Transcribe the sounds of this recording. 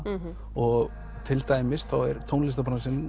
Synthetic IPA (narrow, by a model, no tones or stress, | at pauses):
ɔɣ | t̪ʰɪlt̪aːjmɪsθawɛɾ̥t̪ʰownlɪst̪apɔnasɪnː